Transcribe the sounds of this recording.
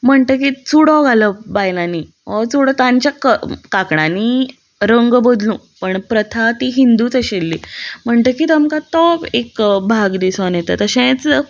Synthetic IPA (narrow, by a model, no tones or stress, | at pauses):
m̤əɳt̪əkit͡suɽɔɡʱaləbajlaniː | ɔt͡suɽət̪ãɲt͡ɕjakəkakɳaniː | ɾəŋɡbəd̪lũː | pəɳpɾət̪ʰat̪iɦind̪uːt͡səɕelːiːm̤əɳt̪əkit̪amkat̪ɔekbʱaɡd̪isɔnjet̪ət̪əɕẽt͡s